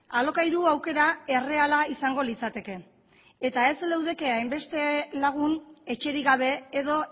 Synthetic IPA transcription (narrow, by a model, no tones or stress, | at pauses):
alo̞kajɾuawke̞ɾae̞re̞alaisaŋɡo̞lit͡sat̪e̞ke̞ | et̪ae̞zlewðe̞ke̞ajmbe̞st̪e̞laɣ̞une̞t͡ʃe̞ɾiɣaβ̞e̞eðo̞